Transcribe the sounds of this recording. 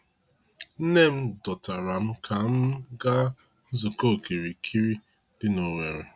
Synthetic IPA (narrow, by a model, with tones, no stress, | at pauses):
n̩˦ne˦m̩˦dɔ˨ta˨ɾa˨m̩˦kʰa˨m̩˦ɡa˦ | zo˨ko˦˨ke˨ɾi˨kʰi˦ɾi˦ | dɪ˦no˨ŋe˨ɾe˨